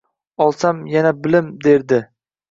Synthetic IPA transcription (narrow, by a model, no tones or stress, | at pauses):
ɒlˠsamjanabɪlɪmd̪e̞ɾd̪ɪ